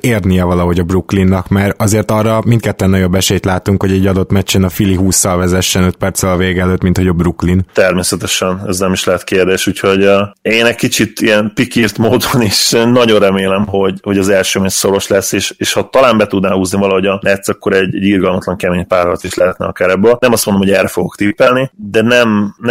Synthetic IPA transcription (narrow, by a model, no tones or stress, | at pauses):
eːrnijɛvɒlɒɦo̞ɟɒbruklinːɒkmarɒzeːrt̪ɒrːɒmint̪̚kɛt̪ːɛnːɒjo̞bːɛʃɛjt̪laːt̪uŋkho̞ɟɛɟːɒd̪o̞t̪mɛt͡ʃːɛnɒfiliɦuːsːɒlvɛzɛʃːɛnøt̪̚pɛrtsɛlɒveːɡɛløːt̪mint̪ho̞ɟɒbruklint̪ɛrmeːsɛt̪ɛʃɛnɛznɛmiʃlɛɦɛt̪keːrd̪eːʃuːcho̞ɟeːnɛckit͡ʃit̪ijɛnpikirt̪moːd̪oniʃnɒɟo̞nrɛmeːlɛmɦo̞ɟho̞ɟɒzɛlʃøːmɛso̞ɾo̞ʃlɛsːeːʃeːʃhɒt̪ɒlaːmbɛt̪ud̪naːhuːznivɒlɒɦo̞ɟɒnʔɛt̪sːɒkːo̞ɾɛɟːɛɟːirɡɒlmɒt̪lɒŋkɛmeːɲpaːrhɒlt̪iʃlɛɦɛt̪nɛ̰ɒkaːɾɛbːøːlnɛmɒst̪mond̪omɦɟɛːrɛfo̞ɡo̞̰kt̪ipɛlnid̪ɛnɛmn